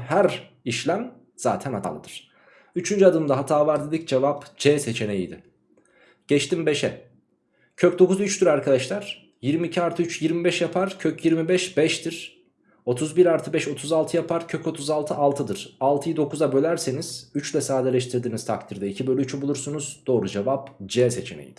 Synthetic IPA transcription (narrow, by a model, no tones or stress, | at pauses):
hæɾ | iʃlʲæm | z̥a̰ːt̪ʰæna̰lˠɯ̰d̪ɯɾ̥ | yt͡ʃʰynd͡ʒyad̪ɯmd̪aɦat̪ʰaːvaɾd̪ed̪ic̚d͡ʒe̞vapd͡ʒɛːse̞t͡ʃʰe̞ne̞jḭd̪ɪ | ɟ̥ɛt͡ʃt̪ʰimbeʃɛ | cʰøc̚d̪o̞kuzyt͡ʃt̪yɾaɾkʰad̪aʃlˠaɾ̥ | jiɾmiːcʰiaɾt̪ʰɯyt͡ʃjiɾmibɛʃjapʰaɾ̥cʰøcjiɾmibɛʃbɛʃt̪ʰiɾ̥ | o̞t̪ʰuzbiɾaɾt̪ʰɯbɛʃo̞t̪ʰuzalˠt̪ʰɯjapʰaɾ̥cʰøco̞t̪ʰuzalˠt̪ʰɯalˠt̪ʰɯd̪ɯɾ̥alˠt̪ʰɯjid̪o̞kuzabø̞lʲæɾseniz̥yt͡ʃlʲɛsaːd̪ɛlʲɛʃt̪ʰiɾd̪inizt̪ʰak̚t̪ʰiɾd̪ɛicʰibølʲyyt͡ʃʰybulˠuɾsunuzd̪̥o̞ːɾud͡ʒevapd͡ʒɛse̞t͡ʃʰe̞nḛjḭd̪̥ɪ̥